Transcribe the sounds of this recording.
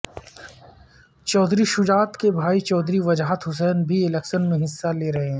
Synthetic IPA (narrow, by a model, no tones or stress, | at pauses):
t͡ʃɔːd̪ʱɾiʃʊd͡ʒaːt̪kebʱaːit͡ʃɔːd̪ɾiʋɐd͡ʒaɦət̪ɦʊs̬ɛːnbʱiɪlɛkʃənmẽɦɪsːaleːɾɐɦeɦɛ̃ː